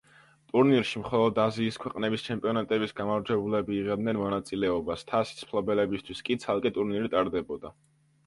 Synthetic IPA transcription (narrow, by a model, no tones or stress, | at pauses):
t̪ʼuɾniɾʃimχɔlˠɔd̪aziːskʰwɛqʼnɛbist͡ʃʰɛmpʼiɔnat̪ʼɛbisɡamavɾd͡ʒɛbulɛbiːʁɛd̪nɛnmɔnat̪sʼilɛɔbast̪ʰasi̥spʰlˠɔbɛlɛbist̪ʰwiskʼit̪sʰalˠkʼɛt̪ʼuɾniɾit̪ʼaɾd̪ɛbɔd̪a